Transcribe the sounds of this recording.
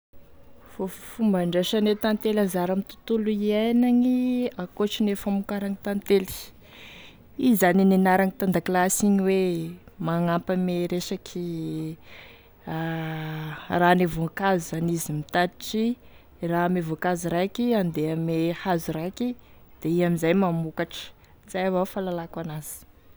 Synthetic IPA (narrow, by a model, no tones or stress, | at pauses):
fofumbaɳɖ͡ʐeʃanet̪ant̪elazaɾamit̪u̥t̪uluiajnaŋiakoʈ͡ʂinefamukaɾaŋit̪ant̪eli̥ | izaninenaɾaŋit̪and̪aklasiɲiwemaŋampəmeɾesakʰi | a | raːnevokazuanizimit̪ad̪iʈ͡ʂi | ramevokazuɾajkiand̪eamehazurajki | d̪̥eiamizajmamukaʈ͡ʂə̥ | zajavafalalakanazi̥